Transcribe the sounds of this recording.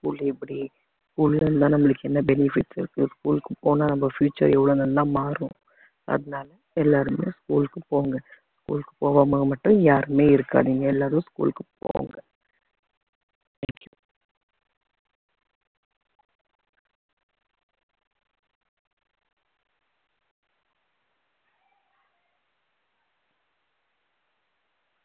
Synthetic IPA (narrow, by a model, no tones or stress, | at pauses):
skṵːlːɛpːɐɽi | skuːlɪlɐɾnd̪ãːnɐmːɐɭɯkːɛnːɐbɛnɪfɪʈsɪɾɯkːɯskuːlkːɯpoːnaːnɐmbɐfjuːt͡ʃːɐ̰ɾɛʋːɐɭonɐlːãːmaːɾʊ̰̃ | ɐ̰ðɐnaːlɐ | ɛlːaːɾɯmḛːskuːlkːɯpoːŋɡɐ | skuːlkɯ̥poːʋaːmɐɐmɐʈːʊ̃jaːɾɯmeːɪɾɯkːa̰ːðiːŋɡɐɛlːaːɾʊ̃skṵːlkɯpo̰ːŋɡɐ | t̪ʰɛːŋkju